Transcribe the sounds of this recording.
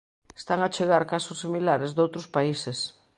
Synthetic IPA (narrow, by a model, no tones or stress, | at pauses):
e̥st̪aŋat͡ʃeɣ̞aɾkasosːimilaɾezd̪owt̪ɾospaises